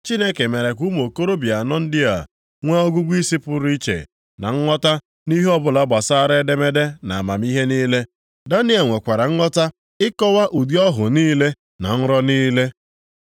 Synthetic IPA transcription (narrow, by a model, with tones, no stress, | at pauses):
t͡ʃi˦ne˦ke˨me˨ɾe˨kʷu˦m˨o˨ko˦ɾo˦bja˨nɔ˦n̩˦dɪ˦a̰˨ | ŋʷa˦o˦ɡu˦ɡʷi˦si˦pʊ˦ɾi˦t͡ʃḛ˨ | na̰˨ŋ̩˦ŋɔ˦ta˦ | ni˦ɦe˦ɔ˦bʊ˦la˦ba˨sa˦ɾe˦de˦me˦de˦na˨a˨ma˨mi˦ɦe˦niː˦le˦ | da˦ni˦e˨ŋʷe˨kʷa˨ɾa˨ŋ̩˦ŋɔ˦ta˦ | ɪ˦kɔ˦wa˦ʔu˨di˦ɔ˦ɦʊ̰˨niː˦le˦ | na̰˨ŋ̩˦ɾɔ˦niː˦le˦